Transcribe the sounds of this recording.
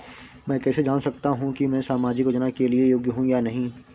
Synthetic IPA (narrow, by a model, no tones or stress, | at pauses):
mɛ̃ːkɛːsed͡ʒaːnsɐkt̪aɦũkimɛ̃ːsaːmaːd͡ʒɪkod͡ʒnakeliejoːɡjəɦũjanɐɦĩ